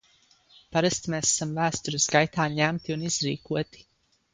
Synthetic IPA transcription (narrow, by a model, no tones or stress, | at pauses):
paɾast̪mesasamvæːst̪uɾisɡajt̪aːɲæmt̪iuniz̥ɾḭːkuɔt̪i̥